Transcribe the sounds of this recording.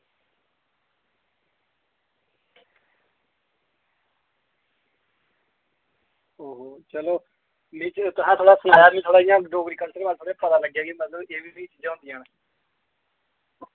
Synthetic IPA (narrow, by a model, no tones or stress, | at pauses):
ɦoːɦoːt͡ʃəloː | mĩːt͡ʃt̪ʊsãːt̪ʰoːɽaːsənaːjaːbĩːt̪ʰoːɽaːɪjãːɖoːɡɾiːkəlsəɾbaːlt̪ʰoːɽeːpət̪ãːləɡjaːɡiːmət̪ləbeːbiːmĩːt͡ʃiːd͡ʒãːɦʊ̃ːnd̪ijãːnː